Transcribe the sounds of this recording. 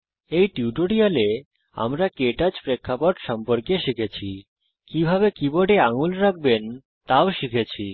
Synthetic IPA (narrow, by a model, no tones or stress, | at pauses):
ejʈiuʈoɽiale | a̰mɾakeʈad͡ʑpɾekʰːapoʈʃɔmpoɾkeʃikʰet͡ɕʰi | kibʱabekiboɖeaŋulɾak̚ʰben | t̪aoʃikʰet͡ɕʰi